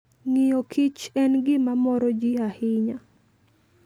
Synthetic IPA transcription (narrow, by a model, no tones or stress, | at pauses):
ŋijokʰit͡ʃɛnɡɪmamɔɾɔd͡ʒiahɪɲa